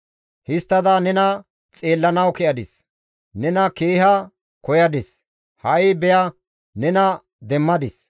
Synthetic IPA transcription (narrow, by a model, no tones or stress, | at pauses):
hɪst̪ːɐd̪anɛnɐ | t͡sʼe̞ːlːɐnɐwkɛʔɐd̪ɪs | nɛnɐkeːɦɐ | kɔjɐd̪ɪs | hɐʔɪbɛjɐ | nɛnɐ | d̪ɛmːɐd̪ɪs